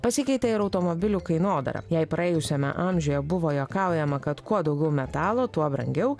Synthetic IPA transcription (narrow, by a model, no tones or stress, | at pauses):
pɐsʲɪkʲɐɪt̪ʲɛɪɾɐʊt̪omobʲɪlʲuːkɐɪnoːd̪ɐ̰ɾɐ̰jɛɪpɾʔɐeːjʊsʲɛmʲɛ̰ʔɑmʲʒʲʊjɛbʊʋoːjoːkɑˑʊjɛmɐkɐt̪kuɔd̪ɐʊɡʲɛʊmʲɛt̪ɑːlˠoːt̪uɔbɾɐ̰ŋʲɡʲɛʊ